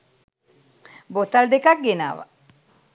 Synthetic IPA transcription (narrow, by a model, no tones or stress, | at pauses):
bot̪ɐld̪ekɐk̚ɡena̰ːʋa̰